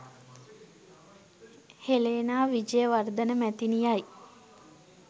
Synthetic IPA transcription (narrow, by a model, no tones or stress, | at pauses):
heleːnaːʋid͡ʒəjəʋard̪ənəmæt̪inijaj